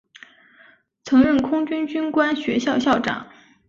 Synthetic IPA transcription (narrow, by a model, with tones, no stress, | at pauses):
t͡sʰɤ˧˥ŋɻə˥˩nkʰʊ˥ŋt͡ɕy˥nt͡ɕy˥nkwa˥nɕɥɛ˧˥ɕjɑ˥˧ʊɕjɑ˥˩ʊʈ͡ʂɑ̰˨˩˦ŋ